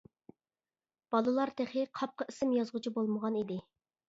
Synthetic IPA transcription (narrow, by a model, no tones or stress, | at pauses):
b̥ɑlˠɨlˠɑɾt̪ʰeχɪqʰɑp̚qɑsɪmjɑzʁʊt͡ʃʰibolˠməʁɑnid̪ɪ